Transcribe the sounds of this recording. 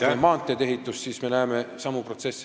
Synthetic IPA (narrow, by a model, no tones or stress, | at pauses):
emɑːnt̪ːˑet̪e̞ɦit̪ːˑussiːsme̞næeːme̞sɑmupro̞t̪se̞sː